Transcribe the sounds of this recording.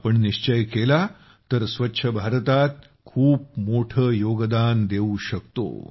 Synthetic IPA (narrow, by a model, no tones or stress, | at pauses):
pəɳniɕt͡ɕəjkela | t̪əɾsʋətːɕʰəbʱaɾt̪at̪̚ | kʰuːp̚moʈʰəːjoɡd̪and̪euɕəkt̪o̰